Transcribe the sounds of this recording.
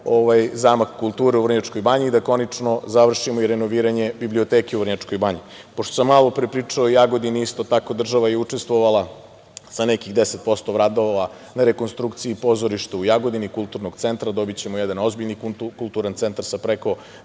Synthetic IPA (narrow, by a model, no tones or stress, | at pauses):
oʋajzamakkulˠt̪uːɾeuvr̩ɲat͡ʂko̞jbaɲiːd̪ako̞nit͡ʂno̞zaʋr̩ʃimoiɾeno̞ʋiːɾaɲe̞biblio̞t̪ekeuvr̩ɲat͡ʂko̞jbaɲi | poʃt̪osamːalo̞pɾepɾiːt͡ʂaojaɡod̪iniist̪o̞t̪ako̞d̪r̩ʒaʋajeut͡ʂest̪ʋo̞ʋala | sanekiɣd̪eset̪̚po̞st̪o̞ʋɾad̪o̞ʋa | naɾeko̞nst̪ɾukt̪siipo̞zoɾiʃt̪uujaɡo̞d̪inikulˠt̪uɾnoɡt̪sent̪ɾad̪o̞bit͡ɕemojɛd̪ano̞zbiʎɲikkulˠt̪uɾant̪sent̪aɾsapɾeko̞